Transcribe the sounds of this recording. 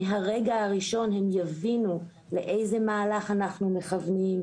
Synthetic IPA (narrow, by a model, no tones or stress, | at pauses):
ɦaʁeɡaaʁiʃo̞nhemjavinu | le̞ʔe̞jzemaːlaχanaχnume̞χavnim